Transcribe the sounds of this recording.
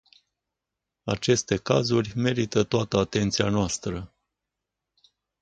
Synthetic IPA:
at͡ʃe̞st̪e̞kazurʲme̞ɾit̪ət̪oat̪əat̪e̞nt̪sianoast̪ɾə

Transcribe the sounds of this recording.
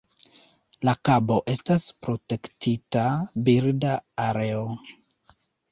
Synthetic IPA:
lakabo̞ʔe̞staspɾo̞te̞ktʰitabiɾdaːɾe̞o

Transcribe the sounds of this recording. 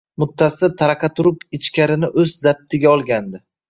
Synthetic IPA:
mʊt̪ʰːasɪt̪ʰaɾɑqʰɑt̪ʰʊɾʊpɪt͡ʃkʲaɾɪnɪʔɵzzab̚t̪ʰɪɡʲaɒlˠɡʲand̪ɪ

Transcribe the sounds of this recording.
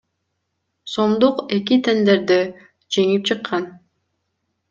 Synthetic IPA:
so̞md̪uqe̞kit̪ʰe̞nd̪e̞ɾd̪e | d͡ʒe̞ŋip̚t͡ʃʰɯqːɑn

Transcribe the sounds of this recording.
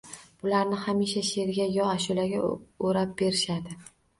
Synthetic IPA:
b̥ʊlaɾnɪhamiʃaʃeɾɡʲajɒaʃʊlaɡʲaoɾap̚b̥e̞ɾɪʃad̪ɪ

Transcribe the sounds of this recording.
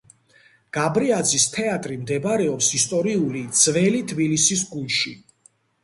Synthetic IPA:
ɡ̥abɾiad̪zist̪ʰɛat̪ʼɾimd̪ɛbaɾɛɔpsist̪ʼɔɾiulid̪z̥vɛlit̪ʰbilisis̬ɡuʃi

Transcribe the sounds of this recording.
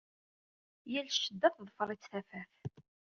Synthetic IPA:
jælʃəd̪ːæθðˤəfəɾˤit͡sːθæfæθ

